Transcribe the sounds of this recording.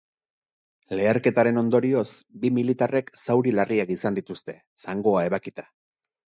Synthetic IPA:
le̞ːɾke̞t̪aɾe̞no̞nd̪o̞ɾio̞sbimilit̪are̞ksawɾilariakisand̪it̪ust̪e̞ | saŋɡo̞ae̞βakit̪ḁ

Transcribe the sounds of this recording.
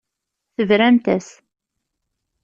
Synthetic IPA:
θəvɾæmt̪æs

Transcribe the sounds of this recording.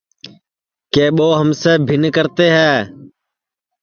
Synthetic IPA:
keːɓoːɦəmseːbʱɪnkəɾt̪eːɦɛː

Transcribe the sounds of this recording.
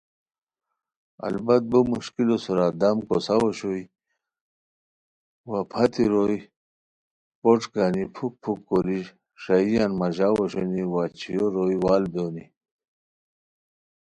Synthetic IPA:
a̰lbɐt̪̚bumuɕkilosuɾad̪amkosawoɕoi | wapʰat̪iɾoi | poʈ͡ʂɡaːnipʰuk̚pʰukːoɾi | ʂaijanmɐʑawoɕoniwat͡ɕʰijoɾojwaːld̪oni

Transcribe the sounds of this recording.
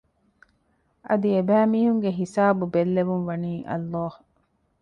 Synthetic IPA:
ʔɐd̪iebæːmiːɦuŋɡeɦisaːbubelːeʋunʋɐniːʔɐ̰lːɑːh

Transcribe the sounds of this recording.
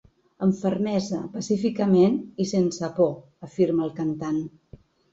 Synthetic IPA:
əɱfərmɛzəpəsifikəmenisensəpɔ | əfiɾməlˠkənt̪an

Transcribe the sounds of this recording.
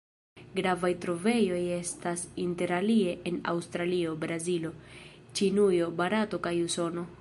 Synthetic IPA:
ɡɾavajtɾo̞ve̞jo̞je̞stasinte̞ɾalie̞ʔena̰wstɾalio̞bɾazilo̞t͡ʃinujo̞baɾato̞kajuso̞no̞

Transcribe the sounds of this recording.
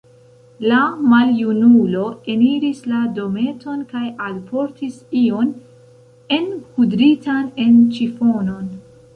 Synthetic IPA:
lamaljunulo̞e̞niɾislado̞me̞to̞nkajalpʰo̞ɾtʰisio̞n | e̞nkudɾitane̞nt͡ʃifo̞no̞n

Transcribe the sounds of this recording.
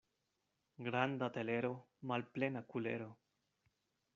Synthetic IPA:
ɡɾand̪at̪eleɾo | malplenakulḛɾo

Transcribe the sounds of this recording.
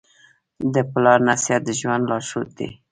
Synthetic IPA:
d̪əplɑɾnasjat̪̚d̪əʒwand̪lɑʃut̪̚d̪ḭ

